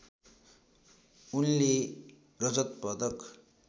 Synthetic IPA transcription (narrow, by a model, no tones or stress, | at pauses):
unle | rʌd͡zʌt̪pʌd̪ʌk